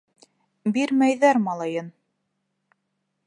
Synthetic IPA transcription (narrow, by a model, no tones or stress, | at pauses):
biɾmæjðæɾmɑlˠɑjɤn